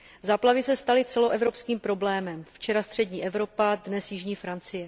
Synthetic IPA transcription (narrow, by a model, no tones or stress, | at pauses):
zaːplavɪsɛst̪alɪt͡sɛloʔɛvɾo̞pskiːmpɾo̞blɛːmɛmft͡ʃɛɾast̪r̥ɛdɲiːʔɛvɾo̞padnɛsjɪʒɲiːfɾant͡sɪjɛ